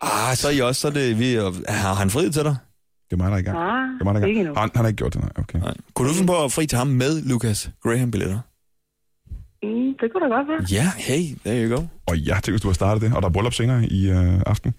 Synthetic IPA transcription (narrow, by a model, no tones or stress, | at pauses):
ʔɑsɒ̽ɐiɒsːɒde̝ʋihɑhænfʁið̰ˠt͡sʰeɾɑ | d̥e̝ɐmɑ̈ɪdɾɑ̈iɡɑ̰ɐmɑɪɾɑiɡhɑhɑnɑeɡ̥o̰d̥enɑ̰ɪʔokʰenɑ̰ɪ̰kʰuɾ̥ufinpʰɒ̽fʁḭːt͡sʰe̝hɑ̈mːeðˠlukʰæsɡ̥ʁeɦæmb̥ilḛdɐ | d̥eɡ̥ʰuɾaɡ̥ɒd̥ʋæjæheɪ̰d̥eɐiɡ̥oʊɒjæht͡sʰeŋ̰dʋesd̥uhɑ̈sd̥ɑ̈ːd̥ð̩ˠd̥e̝ʔɒ̽ɾ̥ɑ̈æb̥ʁɔlɒ̽b̥se̝ːnɐːiøɑ̈fd̥n̩